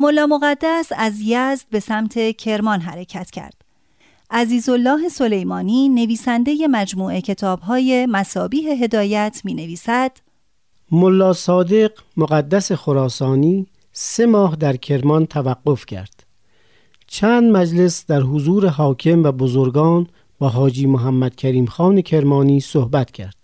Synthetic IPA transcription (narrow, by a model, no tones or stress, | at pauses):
molːɒːmo̞ɣæd̪ːæsæzjæzd̪̥̚be̞sæmt̪ʰe̞cʰe̞ɾmɒnɦæɾe̞cʰæt̪ʰcʰæ̰ɾd̪̥ | ʔæziːzo̞lːɒːɦe̞so̞le̞jmɒːniːne̞viːsænd̪e̞je̞mæd͡ʒmuːʔe̞cʰe̞t̪ʰɒːb̥ɦɒːje̞mæsɒːbiːɦe̞ɦe̞d̪ɒːjæt̪ʰmiːne̞viːsæd̪̥ | molːɒːsɒːd̪e̞ɢmoɣæd̪ːæse̞xoɾɒːsɒːniː | se̞mɒːɦd̪æɾcʰe̞ɾmɒnt̪ʰævæɡːofcʰæ̰ɾd̪̥ | t͡ʃʰæːnd̪mæd͡ʒle̞sd̪æɾɦozuːɾe̞ɦɒːkʰe̞mvæbozoɾɡɒːn | bɒːɦɒːd͡ʒiːmoɦæmːæd̪̥cʰæɾiːmxɒːne̞cʰe̞ɾmɒːniːsohbæt̪cʰæ̰ɾd̪̥